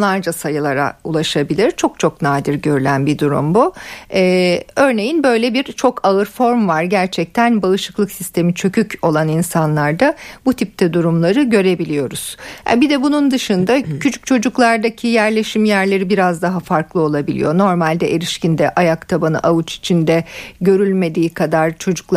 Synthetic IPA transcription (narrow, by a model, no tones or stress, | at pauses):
lˠaɾd͡ʒasajɯlˠaɾa̰ṵlˠaʃabilʲiɾt͡ʃʰo̞k̚t͡ʃʰo̞knaːd̪iɾɟø̞ɾylʲænbid̪uɾṵmbuɛːø̞ɾne̞jinbø̞jlʲɛbiɾt͡ʃʰo̞kʰaɯɾfo̞ɾmvaɾɟæɾt͡ʃʰɛc̚t̪ʰænbaɯʃɯklˠɯksist̪ʰe̞mit͡ʃʰø̞cʰyco̞lˠaninsanlˠaɾd̪abut̪ʰip̚t̪ʰɛd̪uɾumlˠaɾɯɟø̞ɾe̞bilʲijo̞ɾuz̥ja̰bid̪ɛbunund̪ɯʃɯnd̪acʰyt͡ʃʰy̥c̚t͡ʃʰo̞d͡ʒuklˠaɾd̪acʰijæɾlʲe̞ʃimjæɾlʲe̞ɾibiɾazd̪aɦafaɾklˠɯo̞lˠabilʲḭjo̞no̞ɾmalʲd̪ɛʔelʲiʃcʰind̪ɛʔajakt̪ʰabanɯ̰ʔaut͡ʃi̥t͡ʃʰind̪ɛɟø̞ɾylʲme̞d̪iːkʰad̪aɾt͡ʃʰo̞d͡ʒuk̪ˠ